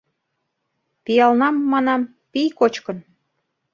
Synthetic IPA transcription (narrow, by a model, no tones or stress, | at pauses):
pijɑlnɑmːɑnɑm | pijkot͡ɕkən